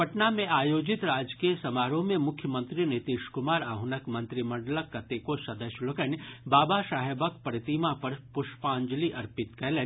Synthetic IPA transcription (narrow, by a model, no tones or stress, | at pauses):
pɐʈnamẽaːjoːd͡ʒɪt̪ɾaːd͡ʒkiiesɐmaːɾõmẽmʊkʰjəmə̃nt̪ɾinɪt̪iːʃkʊmaːɾaːɦʊnəkmɐ̃nt̪ɾimɐ̃ɳɖləkːɐt̪ekosɐd̪əʃjlokənbaːbaʃaːɦebək̚pɐɾɪt̪imapɐɾpʊʃpãːɲd͡ʒliʔɐɾpɪt̪kɛɦle